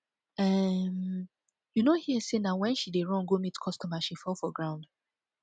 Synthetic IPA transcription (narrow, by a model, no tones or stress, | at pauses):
ɛm | junohiɛsenawɛ̃nʃideɹɔ̃ŋɡomitkʰɔstɔ̃maʃifɔlfɔɡɹãʊ̃nd